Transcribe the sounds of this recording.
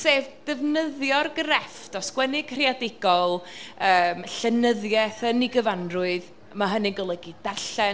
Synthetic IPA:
seːvd̥ɛvnəðjɔrɡəɾɛftɔskwɛnɪɡ̥r̥iadɪɡ̥ɔlˠəːmɬənəðjɛθəniɡəvanrʊɨð | maɦənɪɡɔlˠəɡid̥arɬɛ

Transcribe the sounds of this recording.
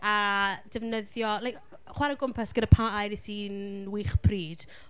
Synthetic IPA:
ad̥ɛvnəðjɔlajk | χwaɾəɡʊmpʰasɡ̥ənəpʰaajɾisinwiχb̥riːd̥

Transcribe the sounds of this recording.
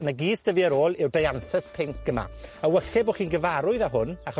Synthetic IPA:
naɡiːsd̥əviəɾoːlˠɪwdajanθəspʰɪŋk̚ʰɡ̥əma̰əwəχɛboχiːnɡəvaɾʊɨðaɦʊnaχɔ

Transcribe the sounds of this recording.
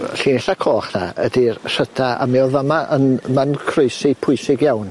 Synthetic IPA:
ɬiːnɛɬakʰoːχnaədirr̥ədʰaa̰mɛɔðamaʔənmankʰrʊjsɪpʰʊɨsɪɡjawn

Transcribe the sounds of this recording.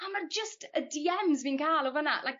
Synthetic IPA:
amard͡ʒəstədiɛmzmiːnkʰaːlˠɔvənaʔlajk̚

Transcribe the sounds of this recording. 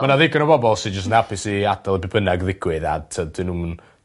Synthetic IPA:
mənaðɪɡənəbɔbɔlˠsɪdd͡ʒəstnapʰɪsiad̥alˠəbɪbənaɡðɪɡ̥wɨða̰tʰəd̥ɪnumn

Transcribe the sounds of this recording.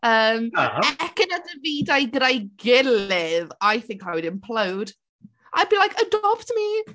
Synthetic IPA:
əːmaɛɛkənadəviːdajɡɾajɡɪlɪðajθɪ̃ŋkawɪdɪnpʰl̥əwd̥ | ʔajbilajkʰədɔbtʰəmi

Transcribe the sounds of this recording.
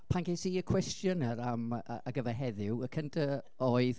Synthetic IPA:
pʰankʰejsiːəkʰw̥ɛstjɔnəɾamːɡəvɛɦɛðɪwəkʰəntʰə | oːɨð

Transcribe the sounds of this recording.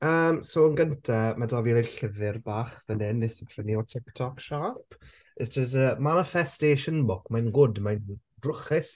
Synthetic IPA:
əːmsoənɡəntʰamadɔvileɬɪvɪrbaːχðənɛnːɪsəpʰrəniɔtʰɪktʰɔkʃaːp | əstəs̬əmanɪfɛsteːʃənbʊkmajnɡʊdmajn | rʊχɪs

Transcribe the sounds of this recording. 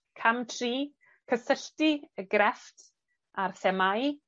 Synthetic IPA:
kʰamtʰriː | kʰəsəɬtiəɡɾɛftʰ | ʔarθɛmaj

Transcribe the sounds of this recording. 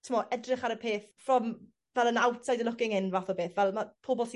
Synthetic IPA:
tʰɪmɔʔɛdrɪχaɾəpʰeːθfrɔm | vɛlˠənawtʰsajdəlʊkɪŋɪnvaθɔbeːθvɛlˠmapʰoːbɔlˠsi

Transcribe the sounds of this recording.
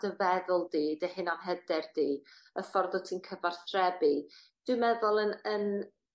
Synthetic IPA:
d̥əvɛðʊlˠdiːdehɪnanɦɛdɛrd̥iːəfɔrðɔtʰiːnkʰəvar̥θrɛbi | d̥wɨmɛðʊlˠənən

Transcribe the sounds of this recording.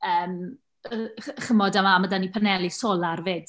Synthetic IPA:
əːm | χəmɔdamamədanipʰanɛlˠisoːlˠarved̥

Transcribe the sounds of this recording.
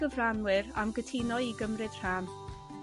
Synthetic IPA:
əvranwɪɾa̰mɡətʰiːnɔiɡəmrɨd̥r̥aːn

